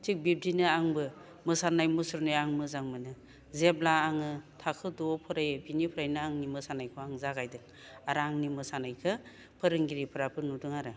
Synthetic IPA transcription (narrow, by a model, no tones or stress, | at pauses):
tʰik̚bib̚dinɯaŋbɯ | mɯsanajmɯsuɾnɯjaŋmɯzaŋmɯnɯ | zeblaːŋɯtʰakʰɯdupʰɯɾajbinipʰɯɾajnɯaŋnimɯsanajkʰɔaŋzaɡajdɯŋ | aɾaŋnimɯsanajkʰɯ | pʰɯɾɯŋɡiɾipʰɯɾapʰɯnudɯŋaɾɯ